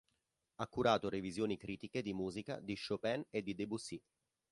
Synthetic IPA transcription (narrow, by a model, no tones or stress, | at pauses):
akːuɾaːt̪oɾevizjoːnikɾiːt̪iked̪imuːzika̰d̪iʃopɛned̪id̪ebusi